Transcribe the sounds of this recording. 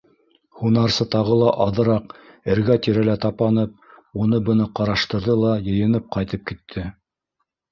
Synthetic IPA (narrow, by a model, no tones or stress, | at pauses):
hunɑɾsɤt̪ɑʁɤlˠɑʔɑðɤ̆ɾɑq | ɘ̆ɾɡæt̪iɾælæt̪ɑpɑnɤp̚ | unɤbɤ̆nɤqɑɾɑʃt̪ɤ̆ɾðɤlˠɑjɤ̆jɤ̆nɤp̚qɑjt̪ɤp̚kit̪ʰːɘ